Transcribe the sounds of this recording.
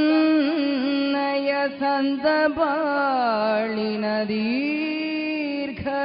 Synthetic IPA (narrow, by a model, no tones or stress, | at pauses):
nɐjɐsɐnt̪ɐbaː | ɭinɐd̪i | ɾkʰɐ